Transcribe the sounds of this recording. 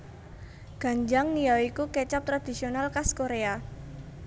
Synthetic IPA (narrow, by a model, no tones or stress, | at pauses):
ɡ̥a̤ɲd͡ʒaŋnijawikukɛt͡ʃap̚t̪ɾad̪̥i̤sionalkaskoɾea